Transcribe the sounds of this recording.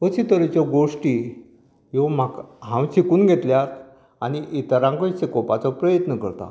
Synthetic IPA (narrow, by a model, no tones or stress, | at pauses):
ət͡ɕit̪əɾt͡ɕjɔɡoʂʈi | jomakɦãwt͡ɕikuːnɡʱet̪ljat̪ | aniʔit̪əɾãŋkɔt͡sekɔpat͡sɔpɾəjət̪nəkə̰ɾt̪a̰